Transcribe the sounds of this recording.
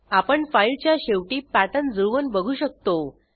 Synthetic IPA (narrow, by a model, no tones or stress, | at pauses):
apəɳfailt͡ɕjaɕeʋʈiːpaʈ̪ənd͡zəʋənbəɡʱuːɕək̚t̪o